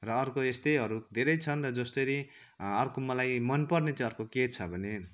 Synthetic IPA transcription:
rʌːrkoest̪ejʌɾud̪ʱeɾʌjt͡sʰʌnrʌd͡zʌst̪oɾi | ʌrkomʌlajmʌnpʌrnet͡sʌ̃ʌrkoket͡sʰʌbʱʌne

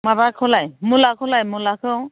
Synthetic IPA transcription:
mabakʰɔlajmʊlakʰɔlajmʊlakʰo

